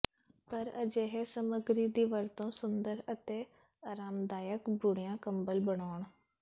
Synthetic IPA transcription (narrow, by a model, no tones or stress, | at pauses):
pəɾə̰d͡ʒeːɦeːsəməɡɾiːd̪iːʋəɾt̪õːsʊnd̪əɾət̪eː | aːɾaːmd̪aːjəkbʊɽijãːkəmbəlbəɳaːɳ